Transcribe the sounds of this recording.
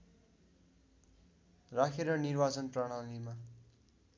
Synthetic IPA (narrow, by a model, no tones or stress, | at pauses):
rakʰeɾʌnirbat͡sʌnpraɽ̃alima